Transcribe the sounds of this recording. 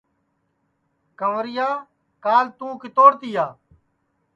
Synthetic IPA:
kəʋɾɪjaː | kaːlt̪ũːkɪt̪oːɾt̪ɪjaː

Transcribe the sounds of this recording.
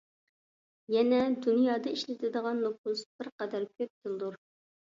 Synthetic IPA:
jɛnɛd̪unjɑːd̪ɑiʃlɪt̪ʰɪd̪əʁɑnːop̚usb̥ɪɾqɑd̪ɑɾkʲʰøp̚t̪ʰɨlˠɨd̪uɾ

